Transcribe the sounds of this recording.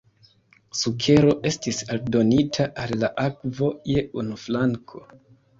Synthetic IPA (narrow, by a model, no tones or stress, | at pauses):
sukʰe̞ɾo̞ʔe̞stisaldo̞nitʰaʔalːaʔakvo̞je̞unuflaŋkʰo̞